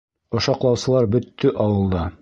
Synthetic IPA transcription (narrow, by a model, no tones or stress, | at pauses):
ŏʃɑqlˠɑwsɤ̆lˠɑɾbɵ̆t̪ːɵʔɑwɤ̆lˠd̪ɑ